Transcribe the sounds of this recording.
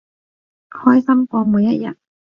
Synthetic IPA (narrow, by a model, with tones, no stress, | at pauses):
hɔː˥jsɐ˥mkʷɔː˧muː˨˧jɐ˦˥t̚jɐ̰˨˩t̚